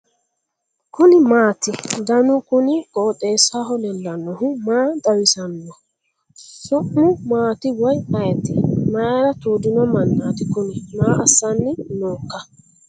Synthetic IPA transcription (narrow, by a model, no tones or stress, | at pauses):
kʊnɪmaːt̪ɪd̪ɐnʊkʊnɪɡʼɔːtʼeːsaɦɔlɛlːɐnːɔhʊmaːd̪ɐwɪsɐnːɔ | sʊʔːʊmaːt̪ɪwɔjɐjɛt̪ɪmaːɾɐt̪uːd̪ɪnɔmɐnːaːt̪ɪkʊnɪnaːʔɐsːɐnːɪnoːkːɐ